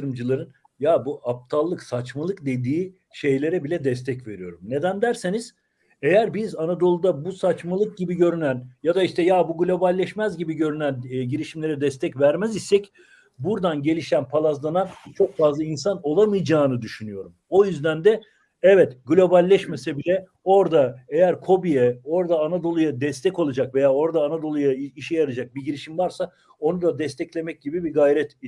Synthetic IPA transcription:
ɯɾɯmd͡ʒɯlˠaɾɯn | jabuʔap̚t̪ʰalˠːɯksat͡ʃmalˠɯkd̪e̞d̪iː | ʃe̞jlʲe̞ɾɛbilʲɛd̪ɛs̬t̪ʰɛcve̞ɾijo̞ɾumne̞d̪ænd̪æɾse̞niz̥ | e̞jæɾbizanad̪o̞lˠud̪abusat͡ʃmalˠɯk̚ɟibiɟø̞ɾynænjad̪aiʃt̪ʰɛjabuɡlʲo̞balʲːɛʃmæzɟibiɟø̞ɾynænɟiɾiʃimlʲe̞ɾɛd̪ɛst̪ʰɛcvæɾmɛzisɛc | buɾd̪anɟelʲiʃænpʰalˠazlˠanant͡ʃʰo̞kfazlˠainsano̞lˠamɯjd͡ʒaːnɯd̪yʃynyjo̞ɾumo̞jyzd̪ænd̪ɛ | ɛvɛt̪ɡlʲo̞balʲːɛʃmesɛbilʲɛ | o̞ɾd̪aejæɾkʰo̞bijɛo̞ɾd̪aːnad̪o̞lˠujad̪ɛst̪ʰɛcolˠad͡ʒakve̞jaːo̞ɾd̪aːnad̪o̞lˠujaiʃɛjaɾɯd͡ʒak̚biɟiɾiʃimvaɾsa | o̞nud̪ad̪ɛst̪ʰɛclʲe̞mɛc̚ɟibibiɡajɾɛt̪

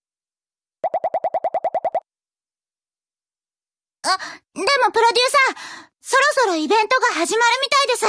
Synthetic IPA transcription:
ad̪e̞mo̞pɯ̟ɾo̞d̪ʲɨːsã | so̞ɾo̞so̞ɾo̞ibẽ̞nt̪o̞ɡaɦaʑimaɾɯ̟mʲit̪aid̪e̞s

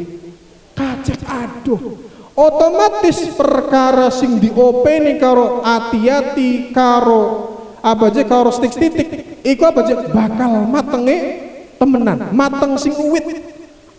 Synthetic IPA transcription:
kat͡ʃək̚aɖ̥ɔhʔot̪omat̪ɪspərkaɾasɪŋd̪iʔopenikaɾoʔat̪iat̪ikaɾo | abad͡ʒekaɾost̪ɪk̚st̪it̪ɪk̚ikuabad͡ʒebakalmat̪əŋet̪əmənanmat̪əŋsɪŋuwɪt̪̚

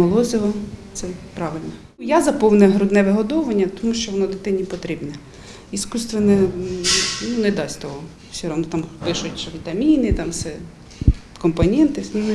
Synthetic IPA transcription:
mɔlˠɔzʲɪʋɐt̪sɛpɾɑʋɪlʲnɔ | jazɐpɔwnɛɦɾʊd̪nɛʋɪɦɔd̪ɔʋɐnʲːɐt̪ɔmuʃt͡ʃɔʋɔnɔd̪ɪt̪ɪnʲːipɔt̪ɾʲibnɛ | iskust̪ʋɐnɛ | nunɛd̪ɑsʲt̪ɔɦɔ | sʲɔɾɔnɔt̪ɑmpɪʃʊtʲt͡ʃʋʲit̪ɐmʲinɪt̪ɑmsɛ | kɔmpɔnʲɛnt̪ɪ

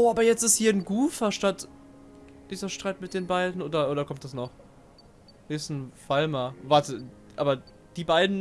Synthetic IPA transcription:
ʔoːʔaːbɐjɛt͡stɪsthiːɐn̩ɡuːfɐʃtat | d̥iːzɐʃtʁ̥aɪtmɪt̚d̥eːnbaɪdn̩ʔoːdɐʔoːɾɐkʰɔmt̚d̥asnɔχ | hiːɐɪstn̩falmavaɐtə | ʔaːbɐ | d̥iːbaɪdn̩

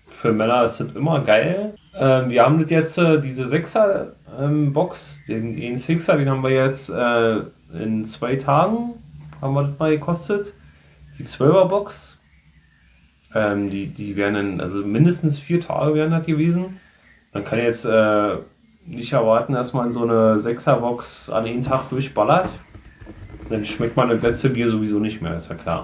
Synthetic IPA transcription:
fyːɐmɛnɐɪsd̥ətʔɪmɐɡaɪlʔɛːmviːɐhaːbm̩dətjɛt͡stɛdiːzəzɛksɐʔɛːmbɔksd̥eːndeːnsɪksɐdeːnhaːmviːɐjɛt͡stʔɛː | ʔɪ̰nt͡sv̥aɪtʰaːɡŋ̩habm̩viːɐdɪtmaːlɡəkʰɔstət | d̥iːt͡sv̥œlvɐbɔks | ʔɛːmdiːdiːveːʁənanʔa̰lzomɪndəstn̩sfiːɐtʰa̰ːɡəveːɐʁəndatɡ̥əveːzn̩ | mankʰançjɛt͡sʔɛː | nɪçtɛɐvaɐtn̩d̥asmanzoːnəzɛksɐbɔksa̰nʔaɪntʰaχd̥ʊɐçb̥alɐt | nd̥anʃmɛk̚t̚manːəlɛt͡stəbiːɐzovizoːnɪçtmḛːɐɪsv̥a̰ɐkʰl̥a̰ː

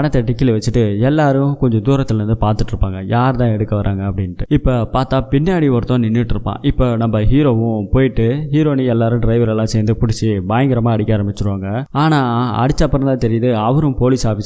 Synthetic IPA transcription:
ɐnɐt̪ːɐʈːɪkːɪlʋɐt͡ʃːɯʈːɯɛlːaːɾɯ̃kɔɲd͡ʒɔ̃d̪uːɾɐt̪ːɪlɾɯnd̪ɯpaːɾt̪ɯʈːɪɾɯpːaːŋɡɐjaːɾt̪ãːɛɽɯkːɐʋɐɾʔaːŋɡɐɐpːɐɽɪnːʈːɯɪpːopaːɾt̪aːpɪnːaːɽiʋɔɾɯt̪ːõːnɪnːɪʈːɪɾɯpːã̰ːʔɪpːoːnɐmbɐɦiːɾoːʋʊ̃poːjɪʈːɯɦiːɾoːniɛlːaːɾɯ̃ɖɾɐɪʋɐɾɛlːãːsɛːnd̪ɯpʊɽɪt͡ʃːibaːjɐŋɡɪɾɐmaːɐɽɪkʲːaːɾɐmbɪt͡ʃːɯɾɯʋaːŋɡɐaːnaːɐ̰ɽɪt͡ʃːaːpːɐɾɐnd̪ãːt̪ɛɾɪjɐðɯɐʋɐɾɯ̃mpoːlisaːfis

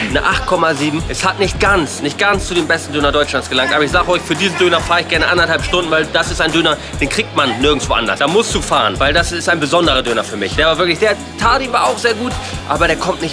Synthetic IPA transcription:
nəʔaχtkʰɔmaziːbm̩ʔɛshatnɪçt̚ɡ̥ant͡snɪçt̚ɡ̥ant͡st͡sudeːmbɛstn̩døːnɐdɔʏt͡ʃlansɡ̥əlaŋktʔaːbɐɪçz̥aːɡəɔʏçfyːɐdiːzn̩døːnɐfaːʁɪçɡ̥ɛɐnəʔandɐthalpʃtʊndn̩vaɪldasɪstaɪndøːnɐ | d̥eːnkʁ̥iːk̚tmanːɪɐɡŋ̩sv̥oʔa̰ndɐ̰sd̥aːmʊsd̥uːfaːʁənvaɪldasɪstaɪnbəzɔndəʁɐdøːnɐfyːɐmɪ̰çd̥eːɐvaːɐvɪɐklɪçd̥eːɐ | tʰaːtiːnvaːaʊxz̥eːɐɡuːtʔaːbɐɾeːɐkʰɔmtnɪç

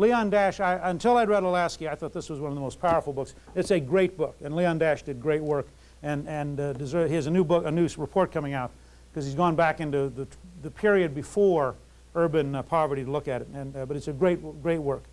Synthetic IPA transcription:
liɑ̃ndæʃaɪɨ̃ntʰɪlˠaɪd̚ɹɛɾəlæskiaɪθɔt̪̚ðɪswʌzwʌnʌvðəmoʊspʰaʊə˞fl̩ˠbʊks | ɨtsɨɡɹeɪt̚b̥ʊkɨ̃nliɑ̃ndæʃd̥ɨd̚ɡɹeɪt̚wɜ˞k | ɨ̃nɨ̃ndɨzɜ˞hiɨzɨnʉbʊkɨnʉɹɨpʰɔɹt̚kʰʌmɪ̃ŋaʊt̚ | kʰʌz̥izɡɔ̃nbækɪ̃ntʉðɨðɨpʰɪɹiɨd̚bɨfɔɹ | ɜ˞bɨ̃npʰɑvə˞ɾiɾəlʊkɨɾɨɾɨ̃nbʌɾɨtsɨɡɹeɪt̚ɡ̥ɹeɪt̚wɜ˞k

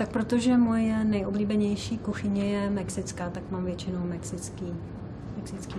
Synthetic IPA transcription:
t̪ak̚pɾot̪o̞ʒɛmo̞jɛnɛjʔobliːbɛɲɛjʃiːkuxɪɲɛjɛmɛksɪt͡skaːt̪akmaːmvjɛt͡ʃɪnowmɛksɪt͡skiː | mɛksɪt͡ski

